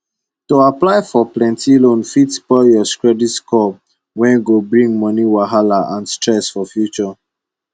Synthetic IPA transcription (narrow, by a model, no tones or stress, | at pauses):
toaplaɪfɔplɛ̃ntʰilõnfitsbɔjɔskɹɛditskɔp̚ | wɛ̃nɡobɹĩŋɡmɔniwaɦalaʔãnstɹɛsfɔfjut͡ʃɔ